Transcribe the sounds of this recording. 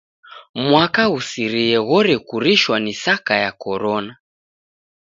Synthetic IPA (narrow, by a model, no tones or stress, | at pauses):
mwakausiɾiɛɣɔɾɛkuɾiʃwanisakajakɔɾɔna